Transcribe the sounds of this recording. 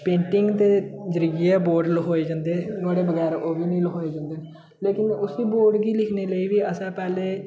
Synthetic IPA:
pẽːɳʈɪŋɡt̪eːd͡ʒəɾiːiːɛːboːɾɖlɦoːeːd͡ʒãːnd̪eːnaːɽeːbəɡɛːɾoːbiːnĩːlɦoːeːd͡ʒãːnd̪eː | leːkɪnʊsiːboːɾɖɡiːlɪkʰneːləiːʋiːəsãːpɛːleː

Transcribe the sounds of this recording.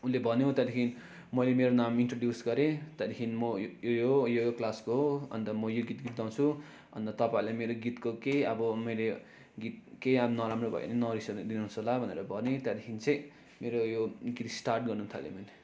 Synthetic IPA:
ulebʱʌnjoɦt̪jat̪ekʰini | mʌjlemeɾonaminʈroɖjusɡʌɾet̪jat̪ekʰinimʌjojojojoklaskoɦoʌ̰nt̪ʌmʌjoɡit̪ɡit̪̚d̪ãw̃t͡sʰu | ʌ̰nt̪ʌt̪ʌpaĩlajmeɾoɡit̪kokeʌbʌmʌjle | ɡit̪̚keʌnʌɾamrobʱʌ̰ḛnenʌɾisʌd̪d̪inasʌlabʱʌnḛɾʌbʱʌnet̪jat̪ekʰinit͡sʌ̃j̃ | meɾojoɡit̪sʈarʈ̚ɡʌrnũt̪ʰʌ̰lḛmane

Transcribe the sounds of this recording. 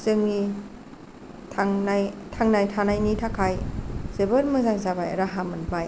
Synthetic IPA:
zɯŋni | tʰaŋnajtʰaŋnajtʰanajnitʰakʰajz̥ebɯɾmɯzaŋzabajɾaɦamanbaj

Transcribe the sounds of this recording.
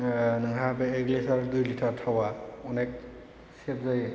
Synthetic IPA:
nɯŋɦabɛːklisaɹdujlitʰaɹtʰawaɔnɛk̚ | sep̚zaj

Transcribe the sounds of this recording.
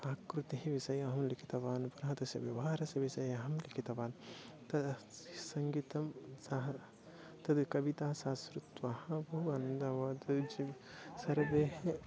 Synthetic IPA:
aːkɾut̪iɦiʋisɐjɐɦɐmlikʰit̪ɐʋaːnpɐɾɐɦɐt̪ɐsjɐ̰ʋjɐʋaːɾɐsɐʋisɐjɐɦɐmlikʰit̪ɐʋaːnt̪ɐd̪sɐŋɡiːt̪ɐmsɐɦɐ | t̪ɐd̪kɐbit̪aːsaːsɾut̪ʋɐhɐ̃bɐɦuɐːnɐnd̪ɐʋɐt̪ɨd͡ʒi | sɐɾʋeːɦe

